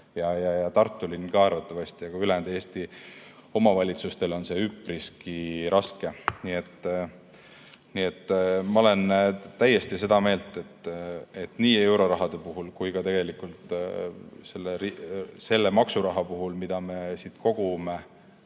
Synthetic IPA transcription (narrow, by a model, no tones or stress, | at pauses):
jɑjɑjɑt̪ɑrt̪ːˑulinkɑɑɾvɑt̪ːˑɑvɑst̪ijɑɡ̥ɑylend̪̥eːst̪i | o̞mɑvɑlʲit̪sust̪e̞lo̞nse̞ypriskiɾʔɑske̞niet̪ː | niet̪ːˑmɑolent̪æjːe̞st̪ise̞d̪̥ɑme̞ːlt̪ˑe̞t̪ːe̞t̪niːe̞wɾo̞ɾɑɦɑd̪̥e̞puɦulkujkɑt̪e̞ɡ̥e̞likˑult̪ | se̞lːeɾise̞lːe̞mɑksuɾɑɦɑpuɦulmid̪̥ɑme̞sit̪ko̞ɡ̥ume̞